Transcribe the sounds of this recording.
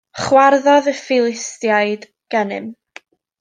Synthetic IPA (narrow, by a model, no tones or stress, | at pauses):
χwarðɔðəfɪlˠɪstjaɨd | ɡ̥ɛnɨ̰m